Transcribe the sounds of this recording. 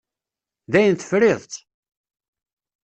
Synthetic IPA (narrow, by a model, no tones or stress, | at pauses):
ðæjənt̪ə̥fɾɪðˤt̪